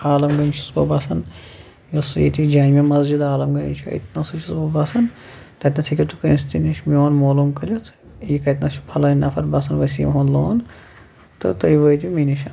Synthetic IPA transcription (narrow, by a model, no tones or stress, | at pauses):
aːlɐmɡɐnt͡ʃʰusbobaːsɐn | jɐsjḭt̪id͡ʒaːnmimɐzd͡ʒid̪aːlɐmɡɐt͡ʃʰuɐ̰t̪nɐsut͡ʃʰisbobɐːsɐn | t̪ɐt̪ʲnɐsʰikʰʲit̪ukɐnst̪iniʃʲmioːnmoːlumkɐlʲut̪ʰ | jikɐjt̪nɐt͡ʃʰu̥pʰɐlɐnɐpʰɐɾbɐːsɐnʋɐsḭːmɦonloːn | t̪ɨ̰t̪ɐiʋəːjt̪ʲiminiʃɐ